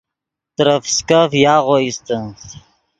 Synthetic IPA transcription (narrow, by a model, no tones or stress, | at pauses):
t̪əɾəfskafjaːʁoist̪əns